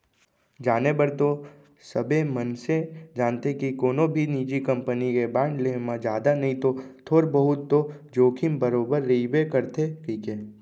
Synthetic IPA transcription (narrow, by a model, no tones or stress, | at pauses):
d͡ʒaːnebəɾt̪o | səbemənsed͡ʒaːnt̪ekikoːnobʱiniːd͡ʒikɐ̃mpənikebãːɳɖlemãd͡ʒjaːd̪anɐɦĩt̪ot̪ʰoːɾbəɦʊt̪ːod͡ʒoːkʰɪmbəɾoːbəɾːeibekəɾt̪ekiːke